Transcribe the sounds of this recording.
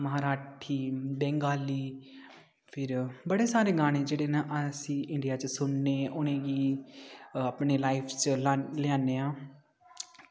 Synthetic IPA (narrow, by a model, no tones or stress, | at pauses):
məɦaːɾaːʈʰiːbɛ̃ːŋɡaːliː | pʰɪɾbəɽeːsaːɾeːɡaːɽ̃eːd͡ʒeːɽeːnaʔəsĩːʔɪɳɖijaːt͡ʃsʊnːeːʔʊnẽːɡiː | aːpɳeːlaːipʰt͡ʃːlɪaːneːãː